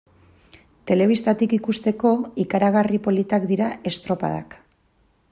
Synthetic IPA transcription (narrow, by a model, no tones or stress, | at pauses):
t̪e̞le̞β̞ist̪at̪ikikust̪e̞ko̞ikaɾaɣaripo̞lit̪akd̪iɾae̞st̪ɾo̞pa̰ða̰k